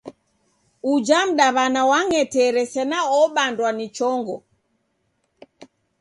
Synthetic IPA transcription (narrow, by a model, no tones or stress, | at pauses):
ud͡ʒam̩ɗaβanawaŋɛtɛɾɛsɛnaɔɓandwanit͡ʃɔŋɡɔ